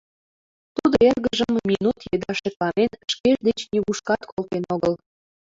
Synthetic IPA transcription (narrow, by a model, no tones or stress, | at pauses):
t̪ud̪oerɣəʒəmːinut̪jed̪ɑʃek̪lɑmenʃkeʒd̪et͡ɕnʲeɣuʃkɑt̪kʰolt̪enoɣəl